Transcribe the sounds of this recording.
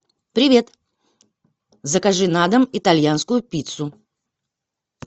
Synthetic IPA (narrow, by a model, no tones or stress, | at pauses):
pɾʲɪvʲe̞t̪ | zəkɐʐɨnad̪əmɪt̪ɐlʲjanskʊjʊpʲit̪sʊ